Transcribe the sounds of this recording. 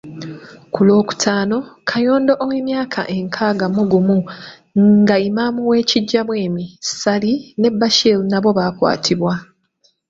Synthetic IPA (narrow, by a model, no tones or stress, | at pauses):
kulo̞ːku̥tʰaːno̞kʰajo̞ːndoʔoweːmjaːkʰa̰ʔe̞ŋkʰaːɡamuɡumu | ɡaimamuwe̞ːciɟːaβwe̞ːmisaline̞bːaʃelnaβo̞βaːkwa̰ːtʰiβwa